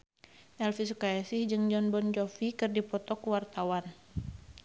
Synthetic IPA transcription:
ʔɛlfisukajasihd͡ʒɨŋd͡ʒɔnbɔnd͡ʒɔfikɨrdipɔt̪ɔkuwart̪awan

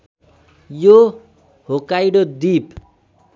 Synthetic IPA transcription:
jo | hokajɽod̪ip

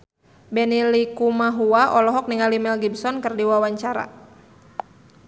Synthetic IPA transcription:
bɛnilikumaɦuaʔɔlɔɦɔk̚niŋalimɛlɡibsɔnkɨrdiwawaɲt͡ʃaɾa̰

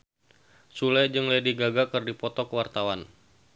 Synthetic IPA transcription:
sulɛd͡ʒɨŋlediɡaɡakɨrdipɔt̪ɔkəwart̪awan

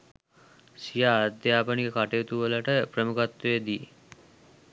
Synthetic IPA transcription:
sijaːd̪japənikekaʈet̪uʋəlaʈəpɾəmukat̪ːed̪i

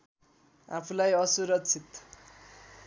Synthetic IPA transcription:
apʰulajʌsuɾʌkt͡sʰit̪

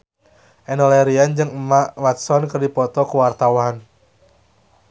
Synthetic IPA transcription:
ʔɛnɔlɛɾiand͡ʒɨŋəmaʔwat̪sɔnkərdipɔt̪ɔkuwart̪awɦan

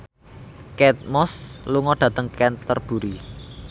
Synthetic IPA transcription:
kɛt̪̚mɔsluŋɔɖ̥ä̤t̪əŋkɛnt̪ərb̥ṳɾi

